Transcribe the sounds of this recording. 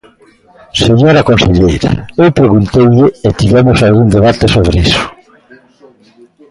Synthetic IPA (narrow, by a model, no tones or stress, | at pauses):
seɲoɾakonseʎejɾa̰ewpɾeɣunt̪ejʎɪːt̪iβɛmʊsalɣund̪eβat̪esoβ̞ɾeisʊ̥